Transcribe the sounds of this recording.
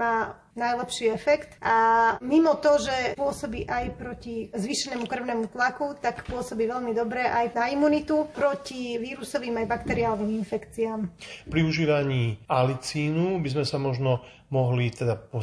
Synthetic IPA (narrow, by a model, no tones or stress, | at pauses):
maː | najlɛpʃiːɛfɛkt̪amimɔt̪ɔʒɛpʊɔsɔbiːʔajpɾɔcizʋiːʃɛnɛːmukr̩ʊnɛːmut̪lakut̪akpʊɔsɔbiːʋɛʎmid̪ɔbɾɛʔajnaimunit̪upɾɔciʋiːɾusɔʋiːmajbakt̪ɛɾiaːlɔʋiːminfɛkt͡siaːmpɾiuʒiːʋaɲiːalit͡siːnubizmɛsamɔʒnɔ | mɔɦlit̪ɛd̪apɔ